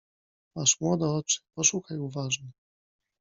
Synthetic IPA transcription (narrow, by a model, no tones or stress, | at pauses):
maʂmwɔd̪ɛɔt͡ʂɘ̥pɔʂuxajuvaʐnɛ